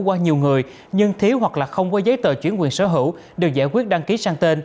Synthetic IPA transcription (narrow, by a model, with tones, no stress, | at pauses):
kwaː˧ɲi˨˩əwŋɨ˨˩əj | ɲɨ˧ŋt̪ʰi˨˦wɦwa˨˩k̚laː˨˩xə˧wŋ͡mkɔ˨˦zə˨˦jt̪əː˧˨˩t͡ɕwi˧˩ənkwi˨˩ənsəː˧˦ɦɨ̰˧˥˨w | ɗe˨˩w̚za̰ː˧˩jkwi˦˥ət̚ɗa˧ŋki˨˦saː˧ŋt̪e˧n